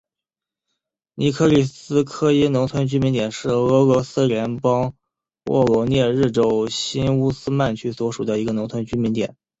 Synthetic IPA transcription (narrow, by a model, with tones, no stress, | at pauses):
ni˧˥kʰɤ˥˩li˨˩sɹ̩˥kʰɤ˥i˥nʊ˧˥ŋt̪ʰwə˧˥nt͡ɕy˥mi˧˥nt̪jɛ˨˩nʂɻ̩˥˩ɤ˧˥lɔ˧˥sɹ̩˥ljɛ˧˥npɑ˥ŋ | wʔɔ̰˥˩lwɔ˧˥njɛ˥˧ɻɻ̩˥˩ʈ͡ʂo˨˩ʊɕi˥nu˥sɹ̩˥ma˥˩nt͡ɕʰy˥˩swɔ˧˥ʂu˨˩d̪ə˦i˧˥ɡə˧nʊ˧˥ŋt͡s̪ʰwə˧˥nt͡ɕy˥nmi˧˥nt̪jɛ̰˨˩˦n